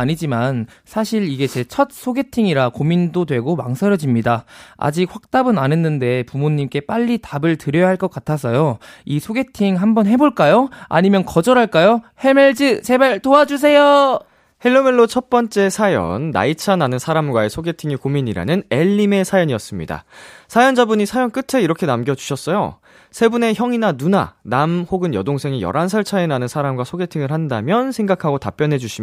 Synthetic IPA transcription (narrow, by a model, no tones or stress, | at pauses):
aɲid͡ʑiman | sʰaɕʰiɾiɡe̞t͡ɕe̞t͡ɕʰʌt̚sʰoɡe̞tʰiŋiɾakomindodwe̞ɡoma̰ŋsʰʌɾjʌd͡ʑimɲidaa̰d͡ʑik̚hɸak̚t͈abɯnanɯnːɯnde̞pumoɲːimk͈e̞p͈aʎːitabɯɭtɯɾjʌjaɦaɭk͈ʌk͈atʰasʰʌjoisʰoɡe̞tʰiŋɦambʌnɦe̞boɭk͈ajoa̰ɲimjʌnkʌd͡ʑʌɾɦaɭk͈ajohe̞meɭd͡ʑɯsʰe̞baɭtoad͡ʑus̬ʰe̞jo | heɭːomeɭːot͡ɕʰʌp͈ʌnt͡ɕ͈e̞sʰajʌ̰nːa̰it͡ɕʰananɯnsʰaɾamɡwae̞sʰoɡe̞tʰiŋikomiɲiɾa̰nɯne̞ʎːime̞sʰajʌɲijʌs͈ɯmɲḭda̰sʰajʌnd͡ʑabuɲisʰajʌnk͈ɯtʰe̞iɾʌkʰe̞namɡjʌd͡ʑu̥ɕʰʌs͈ʌjo̰ | sʰe̞bune̞çjʌŋinanuna̰namhoɡɯnjʌdoŋsʰe̞ŋijʌ̰ɾansʰʌɭt͡ɕʰaenanɯnsʰaɾamɡwasʰoɡe̞tʰiŋɯɭhandamjʌnsʰe̞ŋɡakʰaɡotap͈jʌnɦe̞d͡ʑuɕʰi